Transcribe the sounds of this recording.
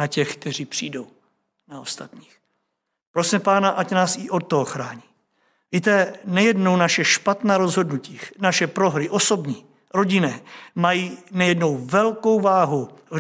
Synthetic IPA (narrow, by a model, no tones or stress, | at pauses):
acɛxk̚t̪ɛr̝iːpr̝̥iːdo̞w | naost̪at̪ɲiːx | pɾosimɛpaːnaʔacnaːsɪʔo̞t̪ːoɦoxɾaːɲiː | viːt̪ɛnajɛdno̞wnaʃɛʃpat̪naːɾo̞zɦo̞dnuciːnaʃɛpɾo̞ɦɾɪʔo̞so̞bɲiː | ɾo̞ɟɪnɛːmajiːnajɛdno̞wvɛlko̞wvaːɦuv